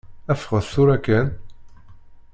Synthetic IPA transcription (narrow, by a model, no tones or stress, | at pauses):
æfʁəðθʊɾækːæn